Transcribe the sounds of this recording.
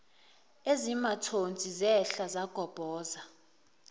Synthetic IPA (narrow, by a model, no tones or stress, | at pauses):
ezimatʰont͡sʼizɛɬazaɡ̥ʱɔb̥ʱɔːza